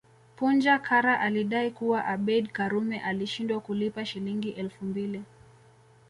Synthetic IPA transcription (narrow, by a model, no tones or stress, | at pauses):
pund͡ʒakʰaɾaʔaliɗaikuwaʔaɓɛɗkaɾumɛʔaliʃindwakulipaʃiliŋɡiʔɛlfumbili